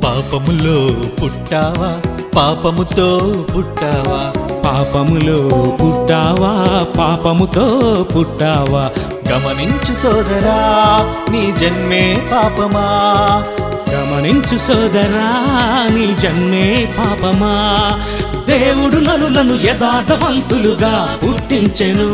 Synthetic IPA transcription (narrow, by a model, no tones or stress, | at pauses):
paːpɐmuloːpuʈːaːʋaː | paːpɐmut̪oːpuʈːaːʋaːpaːpɐmuloːpuʈːaːʋaːpaːpɐmut̪oːpuʈːaːʋaː | ɡɐmɐniɲt͡ʃusɔːd̪ɐɾaː | niːd͡ʒɐnmeːpaːpɐmaː | ɡɐmɐniɲt͡ʃusɔːd̪ɐɾaːniːd͡ʒɐnmeːpaːpɐmaː | d̪eːwuɽunɐnːunɐnːujɛd̪aːd̪ɐʋɐnt̪uluɡaːpuʈːiɲt͡ʃɐnu